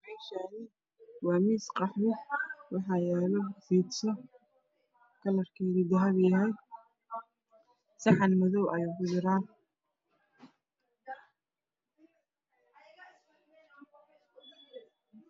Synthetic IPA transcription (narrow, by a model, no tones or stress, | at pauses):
rɛjʃaːnɪ | wɑːmiːsqɑħmɪwɑħɑjɛːlɔfiːd̪sɔ | kʰɐlɐrkʰɛɣɪd̪ɐɦɐβjɐɦɛj | sɑħɑnmɐðɔwʔɐjuɡʊjɪɾaːn